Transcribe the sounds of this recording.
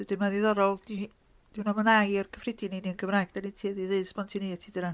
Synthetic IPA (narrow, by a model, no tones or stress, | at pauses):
ðɨd̥ɨnmaðiðɔɾɔlˠdi | d̥ɪwnɔmənajrkʰəfrɪdininiənɡʰəvrajɡ̥danitʰiðiðɨːsb̥ɔntʰineatʰidɨnan